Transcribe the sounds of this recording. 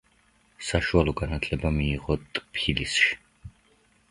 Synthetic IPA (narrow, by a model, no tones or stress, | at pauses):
saʃualˠɔɡanat̪ʰlɛbamiːʁɔt̪ʼpʰilisʃi̥